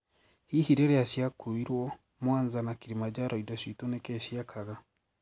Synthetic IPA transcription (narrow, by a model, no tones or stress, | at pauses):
hihiɾɛɾeaʃjakuiɾwɔ | mwaːnzanakiɾimad͡ʒaɾɔidaʃwitunekɛʃiakʰaɣa